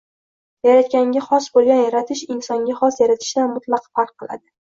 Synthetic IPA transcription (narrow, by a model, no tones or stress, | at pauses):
jaɾat̪̚kʲaŋɡʲaχɒsbolˠɡʲanjaɾat̪ʰɪʃɪnsɒŋɡʲaχɒsjaɾat̪ʰɪ̥ʃd̪anmʊt̪ʰlˠɑqfaɾqʰːɨlˠa̰d̪ɪ